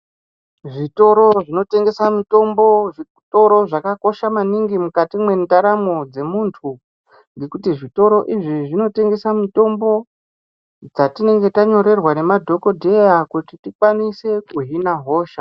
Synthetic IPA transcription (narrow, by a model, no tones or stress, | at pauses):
ʐito̞ɾo̞ʐino̞te̞ŋɡe̞samito̞mboʐi | to̞ɾo̞ʐakako̞ʃamaniŋɡimukatimwe̞ndaɾamod͡ze̞muntʰu | ŋɡe̞kutiʐito̞ɾo̞ʔiʐiʐino̞te̞ŋɡe̞samito̞mbo̞ | d͡zatine̞ŋɡe̞taɲo̞ɾe̞rwane̞madʱo̞ko̞dʱe̞jakutitikwanise̞kuɦinaɦo̞ːʃa